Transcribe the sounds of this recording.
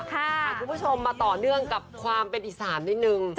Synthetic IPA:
kʰa˨˩kʰu˧nbʰu˥t͡ɕʰo˧mːaː˧t̪ɔː˨˩nɯ˥˩əŋka˨˩p̚kʰwaː˧mpe˧nʔi˨˩saː˩˦nːi˦˥t̚nɯ˨˧ŋ

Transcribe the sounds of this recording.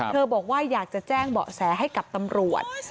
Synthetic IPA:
t̪ʰɤː˧bɔː˨˩k̚waː˥˩jaː˨˩k̚t͡ɕa˨˩t͡ɕɛː˥˩ŋbɔ̰ː˨˩sɛː˩˦ɦa˥˩jka˨˩p̚t̪a˧mɾu˨˩ət̪̚

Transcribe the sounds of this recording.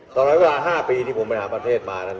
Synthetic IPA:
t̪ɔː˧nɾɔː˦˥we˧laː˧ɦaː˥˩piː˧t̪ʰiː˥˩pʰo˩˦mpa˧jɦaː˩˦pɾa˧t̪ʰeː˥˩t̪̚maː˧na˥˩

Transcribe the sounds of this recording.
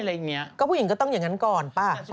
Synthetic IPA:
a˧ja˨˩ŋːi˦ɐkkɔ˥˩pʰːi˨˦ŋkɔː˥˩t̪ɔ˥˩ŋja˨˩ŋːa˦˥nkɔː˨˩npa˧˩

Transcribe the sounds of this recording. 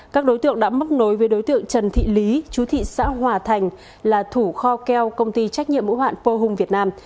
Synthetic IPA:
kaː˦˥k̚ɗo˨˦jt̪ɨ̰˧˨əŋɗa̰ː˧˥mə˦˥t̚no˨˦jveː˨˦jɗo˨˦jt̪ɨ̰˧˨əŋt͡ɕə˨˩nt̪ʰḭ˧˨li˨˦t͡ɕu˨˦t̪ʰḭ˧˨sa̰ː˧˥ɦwaː˨˩t̪ʰa˨˩jŋ̟ | laː˨˩t̪ʰu˧˩xɔ˧kɛ˧wkə˧wŋ͡mt̪i˧t͡ɕa˦˥k̟̚ɲḭ˧˨əmːṵ˧˥hwa̰ː˧˨npə˧ɦʊ˨˧ŋ͡mvi˨˩ət̚naː˧m

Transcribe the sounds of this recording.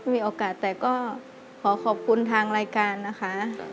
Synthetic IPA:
jmiː˧ʔoː˧kaː˨˩t̪ːɛː˨˩kɔː˥˩ | kʰɔː˩˦kʰɔː˨˩p̚kʰu˧nt̪ʰaː˧ŋɾaː˧jkaː˧nːa˦˥kʰa˦˥ʔ

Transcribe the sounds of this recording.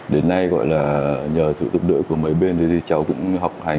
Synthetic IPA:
ɗe˨˦nːa˧jɣɔ̰˧˨jlaː˨˩ɲəː˨˩sɨ̰˧˨t̪ʊ˨˩ɗɨ̰˧˥ku˧˩əmə˨˦jɓe˧nt̪ʰə˨˦t̪ʰi˨˩t͡ɕa˨˦wkʊ̰˧˥ŋ͡mha˨˩wk͡p̚ha˨˩

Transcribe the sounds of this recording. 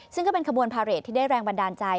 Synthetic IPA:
sɯ˥˩ŋkɔː˥˩pe˧nkʰa˧bu˧ənpʰaː˧ɾe˨˩t̪ʰːiː˥˩daː˥˩jɾɛː˧ŋba˧ndaː˧nt͡ɕa˧j

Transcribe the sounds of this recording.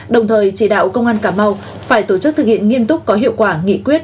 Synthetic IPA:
ɗə˨˩wŋ͡mt̪ʰəː˨˩jt͡ɕi˧˩ɗa̰ː˧˨wkə˧wŋ͡mʔaː˧nkaː˧˩ma˧w | faː˧˩jt̪o˧˩t͡ɕɨ˦˥k̚t̪ʰɨ˨˩k̚hḭ˧˨ənŋi˧əmt̪ʊ˦˥k͡p̚kɔ˨˦ɦḭ˧˨əwkwaː˧˩ŋḭ˧˨kwi˦˥ət̚

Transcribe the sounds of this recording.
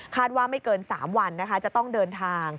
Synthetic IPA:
kʰaː˥˩t̪̚waː˥˩ma˥˩jkɤː˧nsaː˩˦mwa˧nːa˦˥kʰa˦˥t͡ɕa˨˩t̪ɔ˥˩ŋdɤː˧nt̪ʰaː˧ŋ

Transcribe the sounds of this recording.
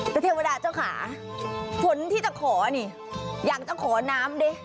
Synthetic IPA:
t̪ɛː˨˩t̪ʰi˧wa˧daː˧t͡ɕa˥˩wkʰa̰ː˩˦ | pʰo˦nt̪ʰiː˥˩t͡ɕa˨˩kʰɔː˩˦˧niː˧˩ | jaː˨˩k̚t͡ɕa˨˩kʰɔː˩˦naː˦˥mde˧˩

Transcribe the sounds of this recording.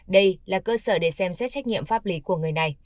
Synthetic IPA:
ɗə˧jlaː˨˩kəː˧səː˧˩ɗe˧˩sɛ˧msɛː˦˥t̚t͡ɕa˦˥jk̚ŋḭ˧˨əmfaː˦˥p̚li˨˦ku˧˩əŋɨ˨˩əjna˨˩j

